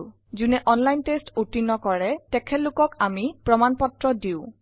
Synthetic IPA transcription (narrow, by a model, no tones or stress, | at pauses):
zunɛʔɔnlajntestutinɔkɔɹɛtɛkʰɛtlʊkɔkamipɹɔmanpɔtɹɔdiʊ̃